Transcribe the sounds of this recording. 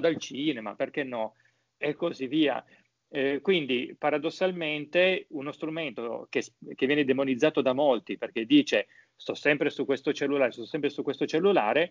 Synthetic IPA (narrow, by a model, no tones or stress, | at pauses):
d̪alt͡ʃiːnema̰perkenːɔ | ekːozivːiːa̰ | kwind̪ipaɾad̪osːalment̪eunost̪ɾument̪ok̟esk̟evjɛːned̪emonid̪zːaːt̪od̪amolt̪iperk̟ed̪iːt͡ʃe | st̪ɔsːɛmpɾesukwest̪ot͡ʃelːulaːɾest̪ɔsːɛmpɾesukwest̪ot͡ʃelːulaːɾe